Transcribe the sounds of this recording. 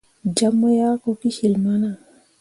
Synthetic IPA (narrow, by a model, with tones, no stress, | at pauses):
d͡ʒamːa˦ja˦ko˨ki˦hi˨lmana˨